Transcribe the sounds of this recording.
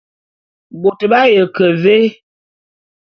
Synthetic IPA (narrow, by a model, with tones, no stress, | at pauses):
bo˨tə˨ɓa˦jə˨kə˨ve˦